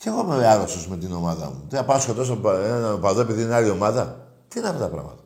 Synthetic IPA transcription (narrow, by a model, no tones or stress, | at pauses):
ceɣomeɐɾosozme̞t̪ino̞mɐðɐ̰mut̪iɐpɐskot̪os̬ɐenpɐðoe̞piðinealio̞mɐðɐ | t̪inɐft̪ot̪ɐpɾɐ̰mɐ̰t̪ɐ̥